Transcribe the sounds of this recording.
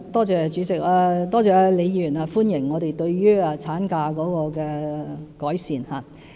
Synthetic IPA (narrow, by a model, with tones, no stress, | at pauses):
t̪ɔː˥t͡sɛː˨˩t͡ʃyː˨˧˥t͡sɪ˨k̚aː˧t̪ɔː˥ɛː˨˧le˨˧jjyː˨˩naː˧fuː˥njɪ˨˩ŋːɔː˨˧t̪e˨jt̪ɵ˧ɥɥyː˥aː˧t͡sʰaː˨˥nkaː˧kɔː˨˥kɔː˧kɛː˧kɔː˨˥jsiː˨nhaː˨